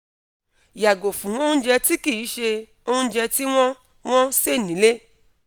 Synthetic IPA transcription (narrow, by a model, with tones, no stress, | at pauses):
ja˨ɡo˨fũ˨wɔ̃˦d͡ʒɛ˧ti˦ki˦˨i˨˦ʃe˧ | o˦ũ˦d͡ʒɛ˧ti˦w̃ɔ̃˦ | w̃ɔ̃˦se˦˨nĩ˨˦le˦